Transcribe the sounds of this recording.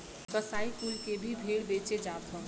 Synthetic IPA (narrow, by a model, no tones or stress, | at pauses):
kəsait̪ulkebʱibʱeɽbet͡ʃed͡ʒat̪ɦə̃